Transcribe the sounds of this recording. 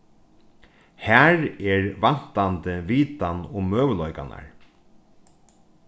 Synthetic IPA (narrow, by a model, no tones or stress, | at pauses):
hæɹɛɹʋan̥t̪ant̪əʋiːt̪anʊmøːʋlɔjka̰na̰ɹ